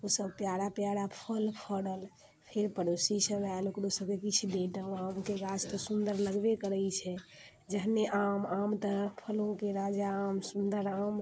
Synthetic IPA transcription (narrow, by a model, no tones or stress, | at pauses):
osəbpjaɽapjaɽapʰəlpʰəɽəl | pʰeɾpəɾosisəbalokɾosəb̚kekit͡ʃʰud̪eʈəamkeɡat͡ʃt̪ɔsund̪əɾləɡbekəɾəjt͡ʃʰɛ | d͡ʒəɦneʔamamt̪əpʰəlõkeɾad͡ʒaːmsund̪əɾam